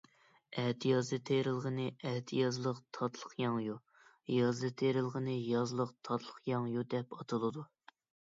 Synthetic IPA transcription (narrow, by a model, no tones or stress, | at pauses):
ɛht̪ʰijɑzd̪ɨt̪ʰeɾɪlˠʁənɨʔɛht̪ʰɪjɑzlˠəqt̪ʰɑt̪ʰlˠəχjɑŋju | jɑzd̪ɨt̪ʰeɾɪlˠʁənɨjɑzlˠəqt̪ʰɑt̪ʰlˠəχjɑŋjud̪ɛpɑt̪ʰɨlˠɨd̪u